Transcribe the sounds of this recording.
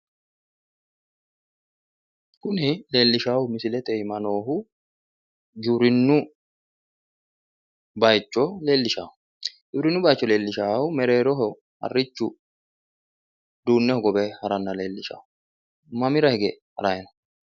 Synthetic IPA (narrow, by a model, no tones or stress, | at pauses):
kʊnɪle̞ːlːɪʃaːwʊmɪsɪlɛt̪ɛɪmɐno̞ːɦʊ | d͡ʒuwɾɪnːʊ | bɐjt͡ʃːɔle̞ːlːɪʃa̰ːʊ | d͡ʒʊwɾɪnːʊbɐjt͡ʃːɔle̞ːlːɪʃaːwʊmɛɾe̞ːɾɔɦɔ | hɐ̰rːɪt͡ʃːʊ | d̪uːnːɛhɔɡɔbɛhɐɾɐnːɐleːlːɪʃa̰ːw | mɐmɪɾɐhɛɡɛhɐ̰ɾɐjɛnɐ